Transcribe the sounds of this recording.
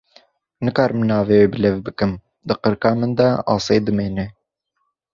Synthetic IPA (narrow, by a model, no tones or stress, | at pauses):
nɨkɑːɾɨmnɑːveːweːbɨlɛvbɨkɨm | d̪ɨqɨɾkɑːmɨnd̪ɛɑ̰ːseːd̪ɨmeːnɛ